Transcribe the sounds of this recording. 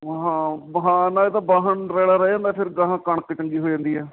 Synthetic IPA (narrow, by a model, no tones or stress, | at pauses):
ɦãːɦãːnãːeːd̪ãːbaːɦənɾɛːɽaːɾɛːd͡ʒãːnd̪aːpʰɪɾɡãːɦãːkəɳkːɪt͡ʃə̃ŋɡiːɦoːd͡ʒãːnd̪iːɛː